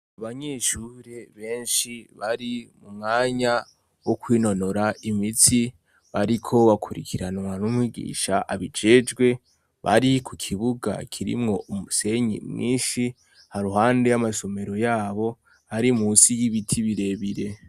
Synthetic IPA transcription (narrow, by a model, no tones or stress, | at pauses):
aβaɲeʃuːɾe̞βe̞ːnʃiβaɾimumŋaːɲa | wokwiːno̞no̞ɾaʔimit͡si | βaɾikʰo̞βakʰuɾḭkʰiɾanwanumwiɡḭːʃaʔaβid͡ʒe̞ːd͡ʒɡwe̞ | βa̰ɾikukʰiβuɡa̰kʰiɾḭmŋo̞umuse̞ɲḭmŋḭːnʃi | haɾuɦaːnde̞jamaso̞me̞ɾo̞jaːβo̞ | haɾimuːsijiβitʰiβiɾe̞βiɾe̞